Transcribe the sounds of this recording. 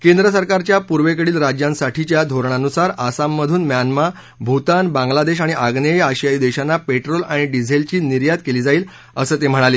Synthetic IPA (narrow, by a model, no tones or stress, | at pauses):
kẽnd̪ɾəsəɾkaɾt͡ɕjapuɾʋekəɽiːlɾad͡ʑjãnsaʈit͡ɕjad̪ʱoɾɳanusaɾasamːəd̪ʱuːnmjanma | bʱut̪anbãŋɡlad̪eɕ̬aɽ̃iʔaɡnejaɕjaiːd̪eɕanːapeʈɾolaɽ̃iɖid͡zʱelt͡ɕiːniɾjat̪keliːd͡zaiːl | əsəːt̪em̤əɽ̃ale